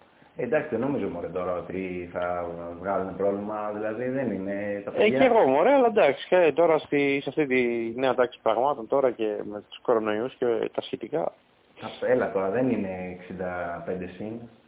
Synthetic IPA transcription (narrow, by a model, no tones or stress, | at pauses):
end̪ɐksit̪ðeno̞mizomoɾet̪o̞ɾɐo̞t̪iθɐvɣɐlunepɾo̞vlimɐðilɐðiðenine̞t̪ɐfeeɣo̞moɾeɐlɐd̪ɐksi̥kɐt̪o̞ɾɐst̪isɐft̪it̪ineɐt̪ɐksi̥pɾɐɣmɐt̪o̞nt̪o̞ɾɐce̞me̞t̪u̥sko̞ɾo̞no̞iuscet̪ɐsçet̪ikɐ̰ | ɐtelɐt̪o̞ɾɐðe̞nine̞ːksind̪ɐpe̞nd̪e̞sin